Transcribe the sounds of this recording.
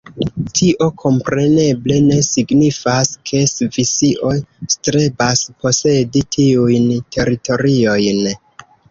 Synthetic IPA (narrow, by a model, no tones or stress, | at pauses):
tʰiʔo̞kʰo̞mpɾe̞ne̞ble̞ne̞siɡnifaskʰe̞svisiʔo̞jstɾe̞baspʰo̞se̞ditʰiujntʰe̞ɾito̞ɾio̞jn